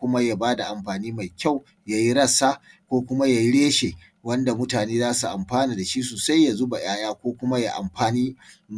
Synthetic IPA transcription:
kʷʊ˦ma˦ja˨baː˦da˨ʔa˨mɸaː˨niː˦ma˨jkʲa˦˨w | ja˨ji˦ɽɐ˦saː˦kʷoː˦kʷʊ˦ma˦ja˨ji˦ɽeː˦ʃe˨ | wɐ˦nda˨mʊ˦taː˨neː˦zaː˦su˨ʔa˨mɸaː˦niː˨da˨ʃiː˦soː˨sa˦jːa˨zʊ˦ba˨j̰aː˦jaː˦kʷoː˦kʷʊ˦ma˦ja̰˨ʔa̰˨mɸaː˨niː˦m

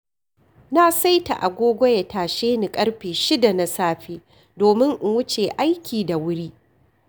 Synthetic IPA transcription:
na˦sa˦jta̰˨ʔa̰˨ɡʷoː˦ɡʷɔ˦ja˨taː˨ʃeː˦ni˨kʼɐ˦ɽɸeː˨ʃɪ˦da˨na˦saː˦ɸeː˦ | doː˨mɪ˦ŋʔɪ˨˦wʊ˦t͡ʃeː˨ʔa˦jkʲiː˨da˨wʊ˦ɽiː˦

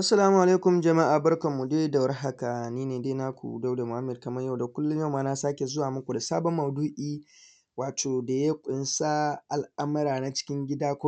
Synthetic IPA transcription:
ʔa˦sːɐ˨laː˦mu˨ʔa˨leː˦kʷʊ˨md͡ʒɐ˨ma˦ʔaː˨bɐ˦rkɐ˨mːu˨deː˦da˨wɐ˦rɦa˦ka˨niː˦neː˨deː˦na˦kʷṵ˨da˦wda˨mʊ˨ha˦mːɛ˨d̚kɐ˨mɐ˦ja˦˨wda˨kʷʊ˦lːʊ˦ja˦wmaː˦na˦saː˦kʲe˨zʊ˦waː˨mʊ˦kʷu˨da˨saː˦bɔ˦mːɐ˨duː˦ʔiː˦ | waː˨tʰoː˨da˨ja˦kʷʼʊ˨˦nsa˦ʔa˨lʔa˦mɐ˦ɾaː˨na˨t͡ʃɪ̥˦kʲɪ˦ŋɡʲɪ˦daː˦kʷʊ˦

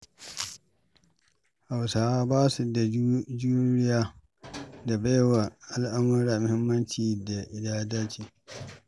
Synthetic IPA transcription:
ha˨wsaː˨˦baː˦su˨da˨d͡ʒu˦ɾɪ˦jaː˦ | da˨ba˦jwa˨ʔa˦lʔa˦mɐ˦ɾaː˨mʊ˦hɪ˦mːɐ˦nt͡ʃiː˨da˨ʔɪ˨daː˦daː˦t͡ʃiː˨

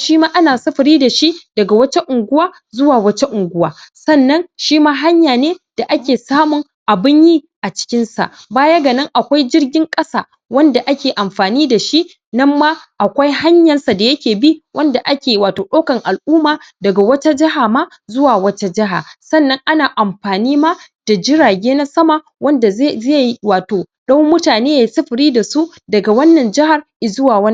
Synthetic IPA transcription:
ʃiː˦maː˦ʔa˦naː˨sɐ˦ɸɐ˨ɾiː˦da˨ʃi˦d̥ɐ˨ɡa˨wɐ˦t͡ʃe˦ʔʊ˨ŋɡʷʊ˦waː˦ | zʊ˦waː˨wɐ˦t͡ʃe˦ʔʊ˨ŋɡʷʊ˦waː˨sɐ˦˨nːɐ˦nʃiː˦maː˦ɦa˦ɲjaː˨neː˦d̥a˨ʔa˦kʲeː˨saː˦mʊ˨ŋ | ʔa˨bɪ˦ɲjiː˦ | ʔa˨t͡ʃɪ̥˦kʲɪ˦nsa̰˨ʔbaː˦ja˦ɡa˨nɐ˦ŋʔa˨kʷa˦jd͡ʒɪ˦rɡʲɪ˦ŋkʼɐ˦sa̰ː˨ | wɐ˦nda˨ʔa˦kʲeː˨ʔa˨mɸaː˨niː˦da˨ʃi˦ʔ | nɐ˦mːaː˦ʔa˨kʷa˦jɦa˦ɲjɐ˨nsa˨da˨jɐ˦kʲeː˨bi˦wʔɐ˦nda˨ʔa˦kʲeː˨waː˨toː˨ɗa˦kɐ˨ŋʔa˨lʔuː˦maː˨ | dɐ˨ɡa˨wɐ˦ta˦d͡ʒɪ˦ɦa˨ma˦ | zʊ˦waː˨wɐ˦ta˦d͡ʒɪ˦ɦa̰˨sɐ˦˨nːɐ˦ŋʔa˦naː˨ʔa˨mɸaː˨niː˦ma˦d̥a˨d͡ʒɪ˦ɽaː˨ɡʲeː˦na˦sɐ˦ma˨ | wɐ˦nda˨˦ze˦jwaː˨toː˨ɗɐ˦wmʊ˦taː˨neː˦jaː˨˦sɐ˦ɸɪ˨ɾiː˦da˨su˦ʔ | dɐ˨ɡa˨wɐ˦nːɐ˨nd͡ʒɪ˦ha˨rʔɪ˨zʊ˦waː˨wɐ˦n

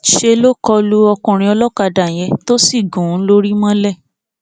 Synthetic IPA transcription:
ʃe˧lo˦kɔ˧lu˦ɔ˧kũ˧˨ɾ̃ĩ˧ɔ˧lɔ˦ka˧da˨j̃ɛ̃˧˦to˦si˦˨ɡũ˨˦lo˦ɾi˦mã˦lɛ˦˨

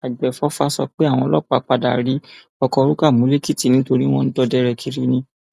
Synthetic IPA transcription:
a˨ɡ͡bɛ˨fɔ˦fa˦sɔ˧k͡pe˦a˦˨w̃ɔ̃˧lɔ˦˨k͡pa˧˨k͡pa˧da̰˨ɾi˨˦ | ɔ˧kɔ˧ɾu˦ka˦˨mũ˨˦le˦ki˦˨ti˨nĩ˨˦to˧ɾi˦w̃ɔ̃˦n̩˦dɔ˧dɛ˦ɾɛ˧kʰi˧˦ɾi˦nĩ˧

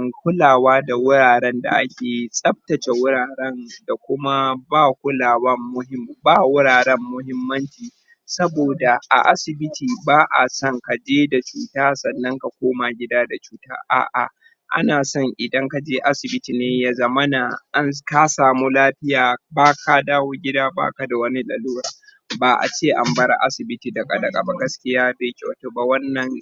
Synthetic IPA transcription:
ŋkʷʊ˦laː˨waː˦da˨wʊ˦ɽaː˨ɽɛ˦nda̰˨ʔa̰˦kʲeː˨ji˦sʼɐ˦b̚tɐ˨t͡ʃe˨wʊ˦ɽaː˨ɽɛ˦nda˨kʷʊ˦ma˦baː˦˨kʷʊ˦laː˨wɐ˦mːʊ˦hɪ˦mbaː˦wʊ˦ɽaː˨ɽɛ˦mːʊ˦ɦɪ˦mːɐ˦nt͡ʃiː˨ | sɐ˦boː˨da˨ʔa̰˨ʔa˦sɪ˨bɪ˦tiː˨baː˦ʔa̰˨sɔ˦˨ŋka˨d͡ʒeː˦da˨t͡ʃuː˨taː˦sɐ˨nːɐ˦ŋka˨kʷoː˦ma˨ɡʲɪ˦daː˦da˨t͡ʃuː˦ta̰ː˦ʔa̰ː˨ʔa̰˨ | ʔa̰˦naː˨sɔ˦ŋʔɪ˨dɐ˦ŋka˨d͡ʒeː˦ʔa˦sɪ˨bɪ˦tiː˨neː˦jaː˦zɐ˦mɐ˦na˨ʔa˦nka˦saː˨mu˦laː˦ɸɪ˦jaː˨baː˦ka˨daː˦woː˦ɡʲɪ˦daː˦ba̰ː˦ka˨da˨wɐ˦ni˦ɗɐ˨luː˦ɾaː˨ | ba˨ʔa̰˨t͡ʃeː˦ʔa˨mbɐ˦ɾa̰˦ʔa̰˦sɪ˨bɪ˦tiː˨da˨kʼɐ˨dɐ˨kʼa˨ba˨ɡɐ˦skʲɪ˦jaː˦beː˨kʲe˦˨wa˨toː˨ba˨wɐ˦nːɐ˨ŋ

